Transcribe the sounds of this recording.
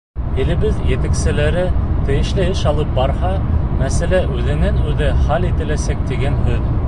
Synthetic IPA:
ɘ̆lɘ̆βɘðjɘ̆t̪æksɘ̆læɾɘt̪ɘ̆jɘ̆ʃlɘɘʃɑlˠɤp̚bɑɾhɑmæsælæʔʉðɘ̆nænʉðɘχɑlit̪ɘ̆læsæk̚t̪iɡænhɵð

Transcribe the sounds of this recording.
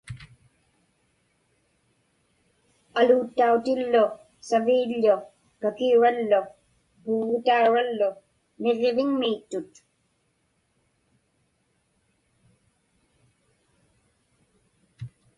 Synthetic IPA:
aluːt̪ːaut̪ɪlːʊ | saviːʎːʊ | kakiuɻalːʊ | puːʁot̪auɻalːʊ | ne̞ʁevɪŋmiːt̪ːʊt̪

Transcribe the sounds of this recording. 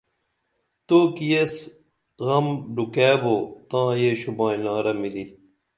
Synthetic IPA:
t̪oːkijes | ɣɐmɖukeːboːt̪ãːjeɕubãːĩnãːɾɐmili

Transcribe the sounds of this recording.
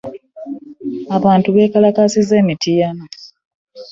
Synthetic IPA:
aβaːntuβe̞ːkalakasize̞ːmitʰijano

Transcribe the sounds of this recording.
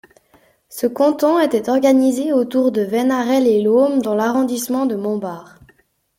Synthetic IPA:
səkɑ̃t̪ɔ̃et̪ɛt̪ɔʁɡanizeot̪uʁd̪əvɛnaʁɛlelomd̪ɑ̃laʁɔ̃d̪ismɑ̃d̪əmɔ̃baːʁ

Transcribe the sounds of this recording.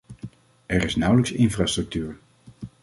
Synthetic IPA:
ɛɹɪsnʌwləksɪnfraːstrɵk̚tyːɹ

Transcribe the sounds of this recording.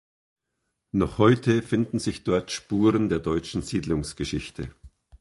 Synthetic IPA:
nɔχhɔʏtʰəfɪndn̩zɪçd̥ɔɐtʃpuːʁəndeːɐdɔʏt͡ʃn̩ziːdlʊŋsɡ̥əʃɪçtʰə̰

